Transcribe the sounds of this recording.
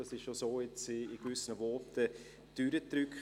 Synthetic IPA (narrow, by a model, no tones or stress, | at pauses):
ɑsɪʃʃosoːɪt͡sɪːɡ̥vʏsənəvɔtə | d̥yɾətɾʏk